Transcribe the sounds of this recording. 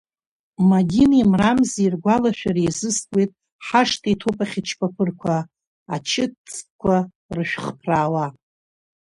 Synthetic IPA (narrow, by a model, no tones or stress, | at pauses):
madʲinimramziirɡʷalaʃᶣaɾejzɨskʼwejtʼ | ħaʂtʰʼitʰopʰʼaχʲɪt͡ʃʰpʰʼapʰɨrkʷʰa | at͡ʃʰɪt͡sʰʼkʷʰa | rɨʃᶣχpʰraːwa